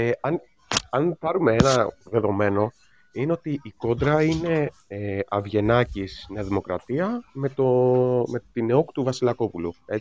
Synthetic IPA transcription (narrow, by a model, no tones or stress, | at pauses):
eɐn | ɐnpɐɾume̞enɐðe̞ðo̞me̞no̞ | ine̞o̞t̪iiko̞d̪ɾɐine̞ | eɐvʝe̞nɐcisneɐðimo̞kɾɐt̪iɐme̞t̪ome̞t̪ineoku̥t̪uvɐsilɐko̞pulue